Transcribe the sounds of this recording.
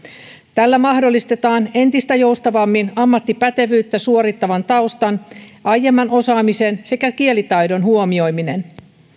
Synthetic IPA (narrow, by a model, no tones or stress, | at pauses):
t̪ælːæmɑhdolːist̪e̞t̪ɑːne̞nt̪ist̪æjo̞ust̪ɑʋɑmːinɑmːɑt̪ːipæt̪e̞ʋyːt̪ːæsuoɾit̪ːɑʋɑnt̪ɑust̪ɑnʔɑjːe̞mːɑno̞sɑːmise̞nse̞kækie̞lit̪ɑjdo̞nhuomio̞jmine̞n